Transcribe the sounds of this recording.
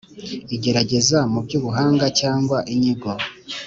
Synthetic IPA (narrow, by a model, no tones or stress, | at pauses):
iɟe̞ɾaɟe̞zamubɟuːβuɦaːŋɡacaːŋɡwaʔiɲiɡo